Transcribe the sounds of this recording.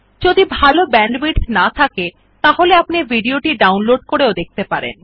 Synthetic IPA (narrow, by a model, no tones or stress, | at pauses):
d͡ʑod̪ibʱalobɛɳɖbiʈnat̪ʰake | t̪aɦoleapnibʱiɖioʈiɖawnloɖ̚koɾeod̪ek̚t̪epaɾḛn